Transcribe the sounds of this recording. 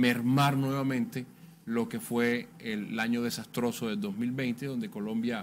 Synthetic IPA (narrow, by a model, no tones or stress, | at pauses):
meɾmaɾnwe̞βamẽnt̪e̞ | lo̞ke̞fwe̞ːlaɲo̞ð̞e̞sast̪ɾo̞soðeld̪ozmilβe̞jnt̪eðo̞nd̪e̞ko̞lõ̞mbja